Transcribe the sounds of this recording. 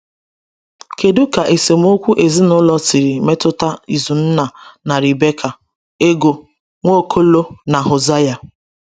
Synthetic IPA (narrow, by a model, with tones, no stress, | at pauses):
ke˨du˦ka˨ʔe˨se˨m˦o˦kʷu˦ʔe˨zi˦nʊ˦lɔ˦t͡ʃi˨ɾi˨me˦tʊ˦ta˦i˨zu˨n̩˦na˨na˨ɾi˨be˦kʰa˨ | e˦ɡo˨ | ŋʷo˦kʰo˦lo˦na˨ɦo˨za˦ja˨